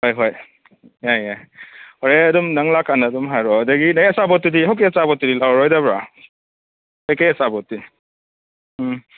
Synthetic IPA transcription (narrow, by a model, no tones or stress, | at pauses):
hojɦoj | ajajhoɾeɐdumnaŋlakːanaːdumɦajɾɔdaɡinajɐsabɔt̚ːudiɦawk̬iɐsabɔt̚ːiɾilawɾɔjdabɾa | ajkajɐsabɔt̚di